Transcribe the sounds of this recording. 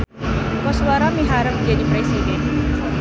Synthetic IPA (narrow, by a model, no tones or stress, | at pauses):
kɔsuaɾamiɦaɾəp̚məɲd͡ʒadipɾesidɛn